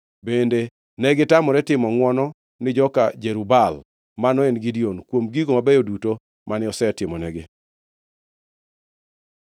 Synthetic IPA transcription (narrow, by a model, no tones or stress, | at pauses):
bende | nɛɡɪtamɔɾɛtɪmɔŋwɔnɔ | nɪd͡ʒɔka̰d͡ʒeɾubal | manɔenɡidionkwomɡiɡomabɛjoduto | mʔanɪɔsɛtɪmɔnɛɡɪ